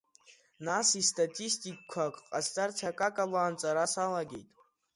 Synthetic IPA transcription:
nasistʰʼatʼistʼikkʷʰakʼqʼast͡sʼart͡sʰakʼakʼalaːnt͡sʼaɾasalaɡʲḛjtʼ

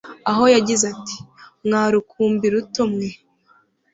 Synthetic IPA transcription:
aɦo̞jaɟizati̥mŋaːɾukʰuːmbiɾutomŋe

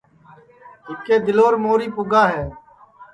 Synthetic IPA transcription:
ɦɪkeːd̪ɪloːɾmoːɾiːpʊɡaːɦɛː

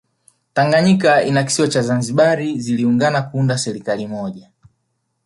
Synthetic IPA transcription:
taŋɡaɲikainaki̥siɔt͡ʃazanziɓaɾiziliuŋɡanakuundasɛɾikalimɔʄa

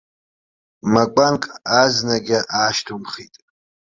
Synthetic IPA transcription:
makʷʼaŋkʼaznaɡʲɪʔaːʃtʰumχitʼ

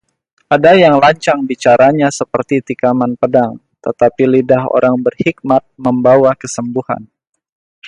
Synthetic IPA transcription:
ʔadajaŋlaɲt͡ʃaŋbit͡ʃaɾaɲasəpərt̪it̪ikamanpədaŋ | t̪ət̪apilidaɦo̰ɾaŋbərhik̚mat̪̚məmbawakəsəmbuha̰n

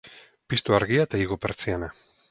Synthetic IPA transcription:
pist̪uaɾɣiat̪aiɣopeɾt͡siana

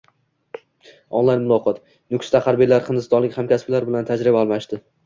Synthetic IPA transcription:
ɒ̰nlˠajnmʊlˠɒqʰɒt̪ | nʊkʰʲst̪aχaɾbijlaɾχɨnd̪ɪst̪ɒnlɪkʲhamkʲasblaɾbɪlant̪ʰad͡ʒɾɪbaːlˠmaʃd̪ɪ

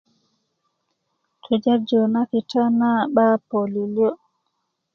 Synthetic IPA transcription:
tʰɔd͡ʒaɾd͡ʒɔnakitanaɓapoliliɔ

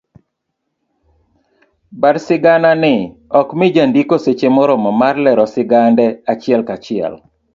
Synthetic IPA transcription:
baɾsɪɡananɪ | ɔkmɪd͡ʒandikoset͡ʃemɔɾɔmɔmarlɛɾɔsɪɡandɛat͡ʃɪɛlkat͡ʃɪɛ̰l

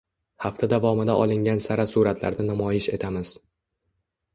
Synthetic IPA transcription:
haft̪ʰad̪avɒmɪd̪aʔɒlˠɪŋɡʲansaɾasuɾat̪ʰla̰ɾd̪anamɒjɪʃe̞t̪ʰamɪz̥

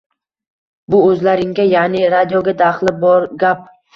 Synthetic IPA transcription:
bʊɵzlaɾɪŋɡʲajanɪɾad̪ijoɡʲad̪aχlˠɪbɒɾɡʲap̚

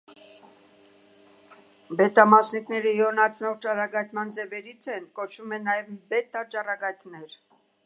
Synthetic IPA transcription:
bɛt̪ɑmɑsniknɛɾəjɔnɑt͡sʰnɔʁt͡ʃɑɾɑɡɑjt̪mɑnd͡zɛvɛɾit͡sʰɛnkɔt͡ʃʰumɛnːɑjɛvbɛt̪ːɑt͡ʃɑrɑɡɑjt̪nɛɾ

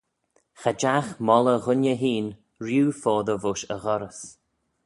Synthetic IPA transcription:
xad͡ʒaxmɔləɣʊnjəɦiːn | ɾjuːfɔːðəvʊʃəɣɔɾəs

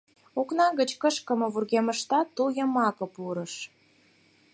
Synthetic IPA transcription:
oknɑɣət͡ɕkəʃkə̆mə̆βurɣeməʃt̪ɑt̪ːujəmɑkə̆puɾəʃ

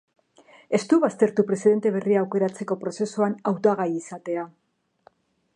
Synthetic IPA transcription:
e̞st̪uβast̪e̞ɾt̪upɾe̞siðe̞nt̪e̞β̞e̞riaːwke̞ɾat͡se̞ko̞pɾo̞se̞suanawt̪aɣajisat̪e̞a

